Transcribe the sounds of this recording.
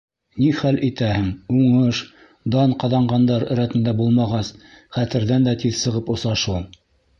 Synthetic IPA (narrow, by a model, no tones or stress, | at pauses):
niχælʔit̪æhɘŋuɴɤʃ | d̪ɑnqɑðɑɴɢɑnd̪ɑɾɘ̆ɾæt̪ɘ̆nd̪æbulˠmɑʁɑs | χæt̪ɘ̆ɾðænd̪æt̪iðsɤ̆ʁɤpŏsɑʃulˠ